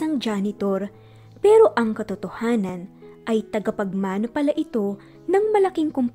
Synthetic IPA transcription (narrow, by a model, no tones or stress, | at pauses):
ɐŋd͡ʒanɪt̪o̞ɾ | pɛːɾo̞ʔɐŋkɐt̪ot̪ohaːnɐnʔɐjt̪ɐɡɐpɐɡ̚maːnopɐlɐʔɪt̪o̞ | nɐŋmɐlɐkɪŋkʊmp